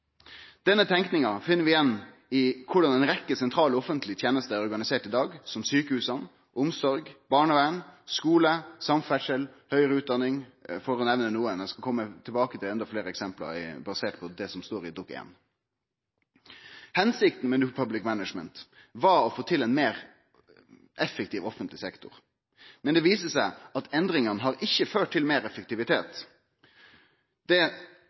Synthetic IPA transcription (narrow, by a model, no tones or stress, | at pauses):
d̪̥ɛnːət̪ʰɛŋknɪŋɑfɪnːəɾʋɪjɛnː | ɪkʰʊɖɑnɛɪnɾɛkːəsɛnt̪ʰɾɑːlɔɔfənt̪ʰlɪt̪ʰjeːnəst̪əæɾɔɾɡɑnɪseːʈɪd̪ɑːɡsɔmsyːkəhʉːsɑn | ʔʊmsɔɾɡb̥ɑːɳəʋæɳskuːləsɑmfɛʂəlhœʏɾəʉːt̪̚d̪ɑnːɪŋfɔːɾɔnɛʋnənuːənɛskɑkʰɔmːət̪ʰɪlbɑːkət̪ʰɪlɛnd̪ɑfleːɾəɛksɛmplɑ̰ɾɪ̰bɑseːʈ̚pʰɔd̪ɛsɔmst̪oːɾɪd̪ɔkḛːn | hɛnsɪk̚t̪n̩mɛnʉpʰɑblɪkmænəʂmənt̪ | ʋɑɾɔfoːt̪ʰɪlɛnmeːɾ | ʔɛfːəkt̪iːʋɔfənt̪lɪsɛkt̪ʊ̰ʁ | mɛnd̪ɛʋiːsəsæɪɑt̪ɛnd̪ɾɪŋɑnəɦɑɾɪçːəføːʈ̚t̪ɪlmeːɾɛfək̚t̪ɪʋɪt̪ʰeːt̪ | d̪̥ɛ